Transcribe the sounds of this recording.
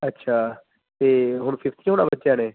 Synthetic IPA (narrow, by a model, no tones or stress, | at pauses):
ətːʃʰaː | t̪eːɦʊɳpʰɪft̪ʰiɦonã̰ːbətːʃjãːneː